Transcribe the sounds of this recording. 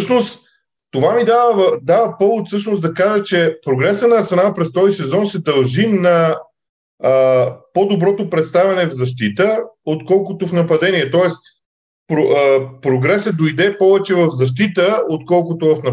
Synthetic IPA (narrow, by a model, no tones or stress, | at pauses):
ʃnos | t̪ovamid̪avəd̪avəpɔvʊt̪sɤʃnozd̪ɐkaʒət͡ʃɛpɾoɡɾɛsənɐːɾsɛnalˠpɾɛst̪ɔzisɛzɔnsɛd̪ɐlˠʒinɐ | pod̪obɾɔt̪opɾɛt̪st̪avʲɐnɛvzɐʃt̪it̪əot̪kɔlˠkot̪ofnɐpɐd̪ɛniɛt̪ɔɛs | pɾopɾoɡɾɛsəd̪ojd̪ɛpɔvɛt͡ʃɛvɐfzɐʃ̬t̪it̪əot̪̚kɔlˠkʊt̪ovɐfnɐ